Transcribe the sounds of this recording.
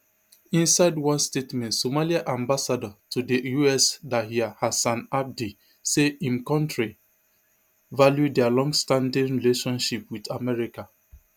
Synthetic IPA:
ĩnsaɪdwɔ̃nstetmɛ̃ntsomaliaʔãmbasadɔtʰudəjuɛsdaɦiahasãnak̚di | seĩmkɔ̃ntɹi | valjudɛalɔ̃ŋɡstãndĩŋɹileʃɔ̃nʃipwidamɛɹika

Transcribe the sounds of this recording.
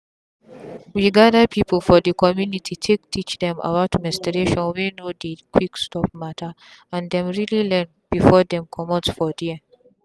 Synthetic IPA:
wiɡadəpʰipʰəl̩fɔdəkʰɔmjunitʰitʰektʰit͡ʃdɛ̃ma̰watʰimɛstiɾeʃɔ̃nwinodikwikstʰɔp̚matʰa | ãndɛ̃mɹililɛ̃n | b̥ifɔdɛ̃mkʰɔmɔtsfɔdiɛ

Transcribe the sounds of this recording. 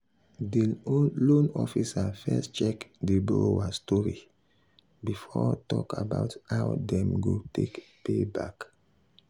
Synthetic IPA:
dilõnɔfisafɛstt͡ʃɛkdibolowastɔɹi | bifɔtɔkʰabaʊthawdɛ̃mɡotʰekpebak

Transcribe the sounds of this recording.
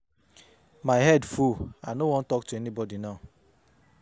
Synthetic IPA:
maɪɦɛdfuanowɔ̃n̩tɔk̚tuɛnibɔdinaʊ

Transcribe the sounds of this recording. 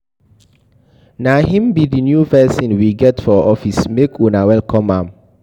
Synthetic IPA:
naɦĩmbidinjuvɛsɔ̃nwiɡɛtfɔʔɔfismekʰunawɛlkʰɔ̃mãm

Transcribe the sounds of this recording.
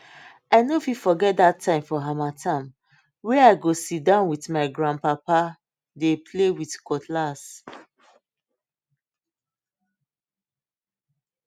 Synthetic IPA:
aɪnofifɔɡɛt̚dattʰːãɪ̃mfɔɦamatʰãm | wɛaɪɡosit̚dãʊ̃nwitmaɪɡɹãn̚papa | depʰlewitkɔtlas

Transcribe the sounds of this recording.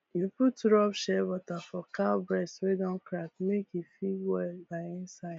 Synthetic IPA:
juputɾɔpʃɛwɔtafɔkaʊbɹɛstwedɔ̃nkɾak̚mekifiwɛlbaɪɪ̃nsaɪd

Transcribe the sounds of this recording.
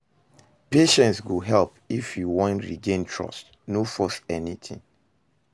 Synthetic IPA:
peʃɛ̃ntsɡoɦɛlpifjuwɔ̃ntɹḭɡẽntʰɹɔ̰st | nofɔθɛnitʰḭ̃ŋ

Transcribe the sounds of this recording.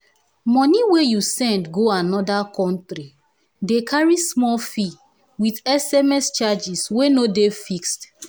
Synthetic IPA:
mɔ̃niwejusɛ̃ndɡoanɔdakɔ̃ntɾi | dekʰaɹismɔlfi | widɛsɛmɛst͡ʃad͡ʒiswenodefikst

